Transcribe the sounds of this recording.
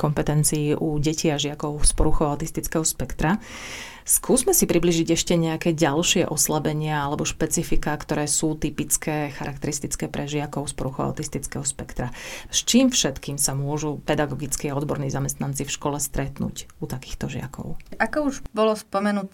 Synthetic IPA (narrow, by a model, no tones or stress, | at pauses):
kɔmpɛt̪ɛnt͡sijːʔuɟɛciaʒɪakɔʊspɔɾuxɔʊaʊt̪ist̪it͡skɛɦɔspɛkt̪ɾa | skuːzmɛsipɾibliːʒiɟɛʃcɛɲɛakɛːɟalʃɪɛ̰ʔɔslabɛɲɪaalɛbɔʃpɛt͡sifikakt̪ɔɾɛːsuːt̪ipit͡skʰɛːxaɾʔak̚t̪ɛɾist̪it͡skɛːpɾʔɛʒɪakɔʊspɔɾuxɔa̰t̪ist̪it͡skɛɦɔspɛkt̪ɾast͡ʃiːmfʃɛt̪kiːmsamʊɔʒupɛd̪aɡɔɡit͡skiaɔd̪bɔɾniːzamɛst̪nant͡sifʃkɔlɛst̪ɾɛt̪nṵcut̪aki̥ːxt̪ɔʒɪa̰kɔ̰ʊʔakɔuʒbɔlɔspɔmɛnut̪